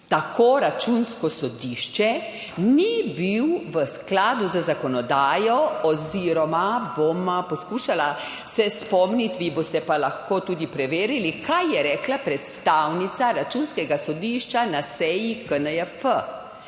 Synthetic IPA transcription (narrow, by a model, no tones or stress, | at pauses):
t̪akoːɾat͡ʃunskɔsɔd̪iːʃt͡ʃɛ | nibiwʋəsklaːd̪uzəzakɔnɔd̪aːjɔɔziɾɔmabompɔskuːʃala | sɛspɔmnit̪ʋiːbost̪ɛpalaxkoːt̪uːd̪ipɾɛʋeːɾilikʰajjɛɾɛːklapɾɛt̪st̪awnit̪saɾat͡ʃunskɛɡasɔd̪iʃt͡ʃanasɛjikənəɛfə